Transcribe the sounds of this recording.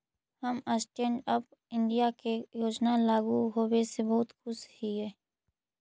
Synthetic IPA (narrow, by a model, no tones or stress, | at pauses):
həməsʈẽːɳɖəp | ɪ̃ɳɖijakejoːd͡ʒnalaːɡuɦoːwesebəɦʊt̪xʊshiɦɛː